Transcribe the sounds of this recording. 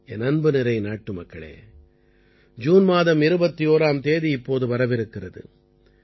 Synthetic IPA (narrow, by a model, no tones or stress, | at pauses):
ɛnɐnbɯnɪɾɐɪnaːʈːɯmɐkːɐɭḛː | d͡ʒuːnmaːðɐmɪɾɯbɐt̪ːioːɾaːmt̪eːðiɪpːoːðɯʋɐɾɐʋɪɾɯkːɪrɐðɯ̰